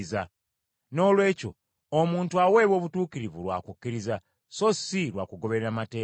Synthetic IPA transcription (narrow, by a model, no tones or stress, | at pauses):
za | no̞ːlwe̞ːco̞̰ | omuːntuawe̞ːβwo̞ːβutuːkiɾivṵlwa̰ːkukːiɾiza | so̞silwa̰kuɡo̞βe̞ɾeɾamate̞ː